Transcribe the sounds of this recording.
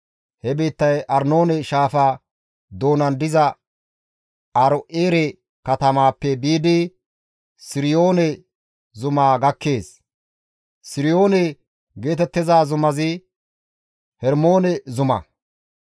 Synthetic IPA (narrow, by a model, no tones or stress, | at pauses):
hɛbeːt̪ːɐjʔɐɾno̞ːnɛʃaːfaː | d̪o̞ːnɐnd̪ɪzɐ | ɐɾɔʔeːɾɛ | kɐt̪ɐmaːpːɛbiːd̪ɪ | sɪɾɪjo̞ːnɛ | zʊmaːɡɐkːe̞ːs | sɪɾɪjo̞ːnɛ | ɡe̞ːt̪ɛt̪ːɪzaːzʊmɐzɪ | hɛɾmo̞ːnɛzʊmɐ̰